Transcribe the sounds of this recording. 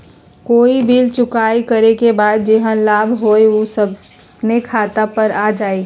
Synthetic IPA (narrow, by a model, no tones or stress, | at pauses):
koːibʱilt͡ʃʊkaːikəɾekebaːd̪̚d͡ʒeɦə̃nlaːbʱɦoːeosəb | nekʰaːt̪apəɾaːd͡ʒaːe